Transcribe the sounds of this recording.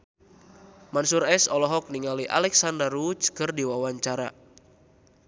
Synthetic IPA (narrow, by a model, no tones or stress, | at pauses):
mansuɾɛsɔlɔɦɔk̚niŋaliʔa̰lɛksandərut͡ʃkɨrdiwawaɲt͡ʃaɾa̰